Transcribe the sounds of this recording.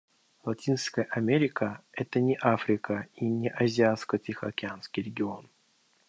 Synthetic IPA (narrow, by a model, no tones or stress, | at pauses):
lˠatʲinskəjəʔɐmʲeɾʲɪkəɛt̪ənʲɪʔafɾʲɪkəinʲɪʔɐzʲɪat̪skətʲixəɐkʲɪanskʲijɾʲɪɡʲɪo̞n